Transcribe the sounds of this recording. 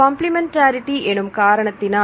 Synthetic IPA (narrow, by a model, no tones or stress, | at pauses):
ɐːmplimɛnʈaːɾɪʈːiʔɛnɯmkaːɾɐɳɐt̪ːɪnaː